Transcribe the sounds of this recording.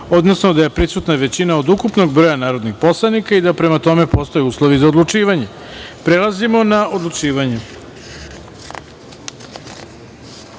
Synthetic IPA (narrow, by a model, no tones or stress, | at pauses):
o̞d̪nosnod̪aje̞pɾisut̪naʋe̞t͡ɕinaod̪ukupno̞ɡ̚bɾo̞ːjanaːɾod̪nixpo̞slˠanikaid̪apɾe̞mat̪o̞me̞po̞st̪ojeuːslˠoʋizaod̪lˠut͡ʂiːʋaɲe | pɾelˠazimo̞naod̪lˠut͡ʂiːʋaɲe